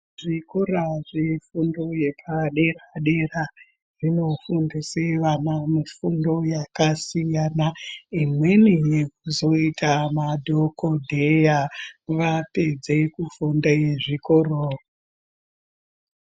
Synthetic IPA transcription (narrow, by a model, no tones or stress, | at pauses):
ʐikoɾaʐefundo̞je̞pʰaɗe̞raɗe̞ra | ʐ̥ino̞fundiseʋanamifundo̞jakasijanaimwe̞nijek̚uzo̞itʰamadʱokʰodʱejaʋape̞d͡ze̞kufundajeʐikorora